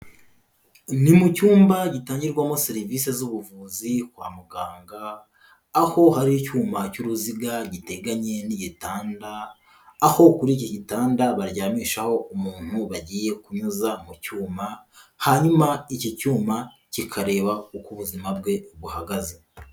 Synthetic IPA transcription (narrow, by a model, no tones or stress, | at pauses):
nimucuːmbaɟitaːɲɟiɾɡwamo̞seɾiviːse̞zuβuvuːzikwa̰ːmuɡaːŋɡaː | ho̞haɾiicuːmacuɾuziɡaɟite̞ɡaɲe̞niɟitaːndaː | ho̞kuɾiciɟitaːndaβaɾɟaːmiːʃaho̞umuːn̥huβaɟiːje̞kuɲuzamucuːma | haɲumaicicuːma | cikʰaɾe̞ːβaukuβuzimab̚ɡe̞ɡuhaɡaze